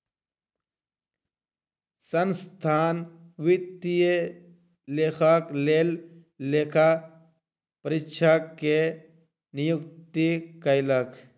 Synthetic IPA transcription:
sənst̪ʰaːnʋɪt̪ije | lekʰakleːlː | ekʰa | pəɾɪtːt͡ʃʰakːe | nijukt̪ikəjlək

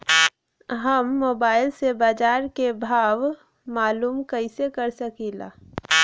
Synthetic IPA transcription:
ɦəmːoːbaːɪlsebaːd͡ʒaːɾkebʱaːʋ | maːluːmkəɪsekɐɾsəkiːla̰ː

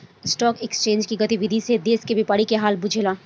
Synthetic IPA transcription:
ɪsʈɔːkekst͡ʃẽːnd͡ʒkiɡɐt̪iʋɪd̪ʱised̪eːskebɪpaːɽikeɦaːlbʊd͡ʒʱelaː

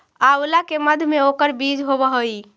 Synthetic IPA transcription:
aulakeməd̪ʱmeokəɾbid͡ʒɦoβəɦəj

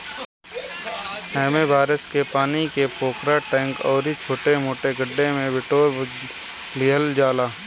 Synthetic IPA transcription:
ɛːmebaːɾɪskepaːnikepoːkɾaʈɛ̃ːŋkɔːɾit͡ʃʰoːʈemoːʈeɡəɖːemẽbɪʈoː | liːɦəld͡ʒaːlaː

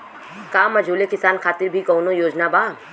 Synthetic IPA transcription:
kaːmɐd͡ʒʱuːlekɪsaːnxaːt̪ɪɾbʱikɔːnõjoːd͡ʒnabaː

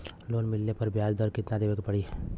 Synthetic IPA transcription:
loːnmɪlnepɐɾbjaːd͡ʒd̪əɾkɪt̪nad̪eːʋekpɐɽiː

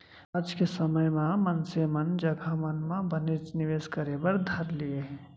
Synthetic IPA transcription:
ad͡ʒkesəməjmãmənsemənd͡ʒɐɡʱamənmãbənɪɾt͡ʃnɪʋeːskəɾebəɾd̪ʱɐɾlieɦɛ̃

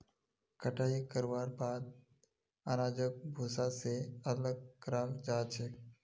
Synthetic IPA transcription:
kəʈaːɦikəɾwaːɾbaːd̪̚ | aːɾaːd͡ʒək̚bʱoːsaseələɡ̚kɾãːŋd͡ʒaːt͡ʃʰeː

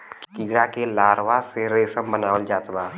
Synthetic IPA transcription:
kkiɡɽakelaːɾʋaseɾeːsəmbənaːʋəld͡ʒaːt̪baː

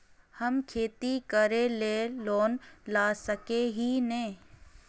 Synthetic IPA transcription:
həmkʰeːt̪ikəɾeleːloːnlaːsəkeɦinẽː

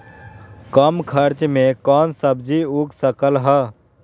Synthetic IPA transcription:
kəmkʰəɾt͡ʃmẽkɔːnsəbd͡ʒiuksəkəlɦə

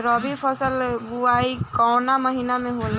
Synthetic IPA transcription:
ɾəbʱipʰəsəlbuaikɔʊnaməɦinamẽɦol

